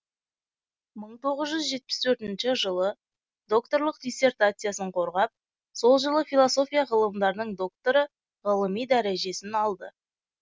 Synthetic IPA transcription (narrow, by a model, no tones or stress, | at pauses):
məɴt̪ʰo̞ʁəzʒʏzʒe̞t̪̚pɪst̪ʰɵɾt̪ɪnʃɪʒəlˠə | d̪o̞kt̪o̞ɾlˠəqd̪ʲijsːe̞rt̪at̪sɨjasəɴqʰo̞ɾʁɑp̚ | so̞lˠʒəlˠəfilˠoso̞fʲijaʁəlˠəmd̪ɑɾnəɴd̪o̞k̚t̪oɾə | ʁəlˠəmijd̪æɾeʒe̞sɪnɑlˠd̪ə